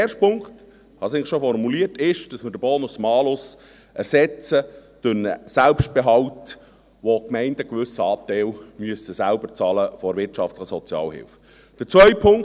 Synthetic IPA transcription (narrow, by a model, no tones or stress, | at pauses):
eːrʃt̚pʰʊŋkt | hɑsɪŋʃofɔrmuliərtɪʃd̥ɑsməɾd̥əbɔːnʊsmɑːlʊs | ʔæɾsɛt͡sətønə̰sælpʃtb̥eɦɑwt | ʋokmɛɪndəkʋʏsəɑːt̪ɛɪlmyəsəsælbəɾt͡sɑːləfɔɾʋɪɾtt͡ʃɑftləχəsɔt͡sjɑ̰ːlhɪ̰lf | d̥əɾt͡sʋœʏpʰʊŋ